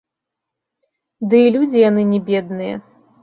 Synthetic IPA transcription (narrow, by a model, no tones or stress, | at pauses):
d̪ɨilʲud͡zʲijanɨnʲɛbʲɛd̪̚nɨjɛ̰